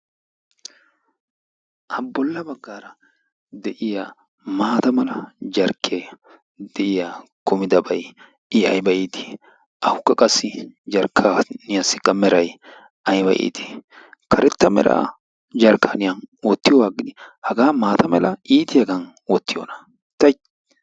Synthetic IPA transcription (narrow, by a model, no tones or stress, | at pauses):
ʔɐbɔlːɐbɐɡːaːɾɐ | d̪ɛʔɪja | maːt̪ɐmɐlɐd͡ʒɐɾkʰːeː | d̪̥ɛʔɪjakʊmɪd̪ɐbɐj | ɪɐjbɐiːt̪ɪ̥ | ʔɐhʊkːɐkʼɐsːɪd͡ʒɐɾkʰːanɪjɐsːɪkːɐmɛɾɐj | ɐjbɐʔḭːt̪i̥ | kʰɐɾɛt̪ːɐmɛ̰ɾa̰ | d͡ʒɐɾkʰːɐnɪjɐnwɔt̪ːɪjɔwaɡɪd̪ɪhɐɡaːmaːt̪ɐmɛlɐʔiːt̪ɪjɐɡɐn | wɔt̪ːɪjɔ̰nɐ | t̪ːɐj